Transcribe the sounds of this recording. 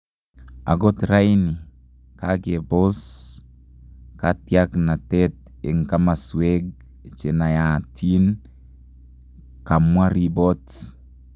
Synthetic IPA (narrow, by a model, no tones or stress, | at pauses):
a̰ɡɔtrajni | kakebos | katjaknatɛt̚ | ḛŋkamaswɛk̚ | t͡ʃenajatʰin | kamwaɾibɔt